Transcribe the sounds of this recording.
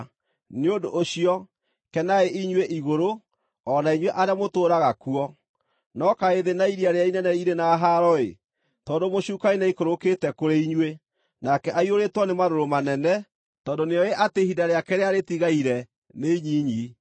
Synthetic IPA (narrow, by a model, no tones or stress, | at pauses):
neodoʔːɕiɔ | kɛnaeʔiɲweʔiɣoɾo | ɔnaiɲweʔaɾjamotoːɾaɣakuɔ | nɔkaeðenaiɾiaɾeainɛnɛiɾenaːɦaɾɔḛ | tɔːndomoɕuːkainaikoɾoketɛkoɾeiɲwe | nakɛʔaioɾetwɔnemaɾoɾomanɛnɛ | tɔːndoneɔeʔatehidaɾeakɛɾeaɾetiɣaiɾɛ | neiɲiɲi